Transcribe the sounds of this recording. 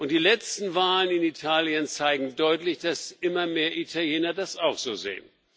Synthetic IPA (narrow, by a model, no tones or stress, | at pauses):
ʔʊnt̚d̥iːlɛt͡stn̩vaːlənɪnitʰaːljənt͡saɪɡŋ̩dɔʏtlɪçd̥asʔɪmɐmeːɐʔitʰaljeːnɐdasaʊxz̥oːzḛːən